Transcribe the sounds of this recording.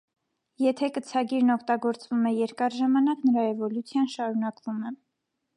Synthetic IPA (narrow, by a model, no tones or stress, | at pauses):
jɛt̪ʰɛkət͡sʰɑɡiɾnɔkʰt̪ɑɡɔɾt͡svumɛjɛɾkɑɾʒɑmɑnɑknəɾɑɛvɔlut͡sʰjɑnʃɑɾunɑkvumɛ